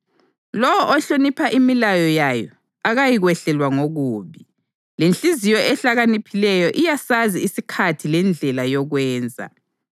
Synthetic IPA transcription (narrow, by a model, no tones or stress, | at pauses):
lɔwɔʔɔɬonipʰaʔimilajɔjajɔ̰ | aɣajiɣwɛɬɛlwaŋoɣuːβi | lent͡ɬʼizijɔʔɛɬaɣanipʰilɛjɔʔijasaziːsikʰatʰilɛnd͡ɮʱɛlajɔɣwɛːnd͡zʱa̰